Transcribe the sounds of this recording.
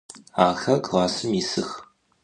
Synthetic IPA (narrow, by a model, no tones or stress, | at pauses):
aːxɐkʰʼʁɑːsɨmisɨx